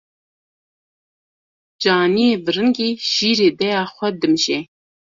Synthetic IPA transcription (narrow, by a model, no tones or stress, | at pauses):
d͡ʒaːnieːvɨɾɨŋɡiːʃiːɾeːd̪ɛjaːxʷɛd̪ɨmʒe